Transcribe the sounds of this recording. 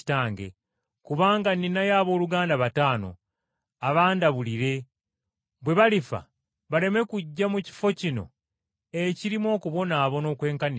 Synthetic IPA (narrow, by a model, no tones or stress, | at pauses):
taːŋɡḛ | kuβaːŋɡaninajaːβo̞ːluɡaːndaβataːno̞̰ | aβaːndaβuliɾe̞ | βwe̞βalifa̰ | βale̞me̞kuɟːamuci̥fo̞cino̞̰ | eciɾimwo̞ːkuβo̞naːβo̞no̞ːkwe̞ːŋkani